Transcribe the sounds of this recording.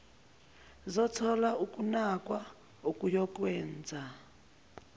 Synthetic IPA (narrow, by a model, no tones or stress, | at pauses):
zɔt͡sʰɔlaukʼunakʼwa | ukʼujɔkʼwɛːnd͡zʱa